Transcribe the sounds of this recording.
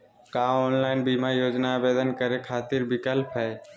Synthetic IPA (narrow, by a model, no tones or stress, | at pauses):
kaɔːnlaːɪnbiːmaɾjoːd͡ʒnabeːd̪ənkəɾekʰaːt̪ɪɾbɪkəlpʰɦɛː